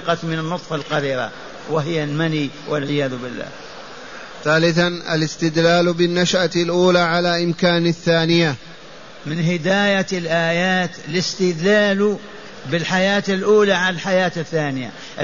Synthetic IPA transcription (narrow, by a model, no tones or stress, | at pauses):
qɑt̪mɪnanːʊt̪ˤfɑlqɑɾiːɾa̰ | wɪɦɪjːalmaniwʔɪlʕɪjaːðʊbɪlːa̰ː | θaːlɪθanʔa̰lɪst̪ɪd̪laːlbɪnːaʃʔalʔuːlaʕalaʔɪmkaːnɪθːaːnɪja | mɪnɦɪd̪aːjalʔaːjaːt̪lɪst̪ɪd̪laːlu | bɪlħajaːt̪ɪlʔuːlaʕalalħajaːt̪ɪθːaːnɪja̰ | ʔ